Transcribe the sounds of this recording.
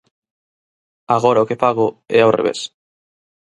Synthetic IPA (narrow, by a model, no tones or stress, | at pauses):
aɣoɾaokepaɣʊɛawrḛβḛs